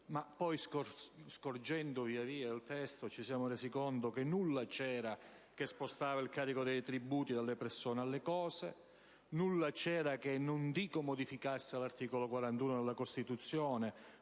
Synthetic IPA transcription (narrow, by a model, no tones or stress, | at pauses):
mapːɔjskoskord͡ʒɛnd̪oviːaviːailt̪ɛst̪ot͡ʃisjaːmoreːsikont̪okenːulːat͡ʃɛːɾa | kespost̪aːvailkaːɾikod̪ɛjt̪ɾibuːt̪id̪alːepɛrsoːnealːekɔːse | nulːat͡ʃɛːɾakenːʊnd̪iːkomod̪ifikasːeɪlart̪iːkolokwaɾant̪uːnod̪elːakost̪it̪ut̪sːjɔːne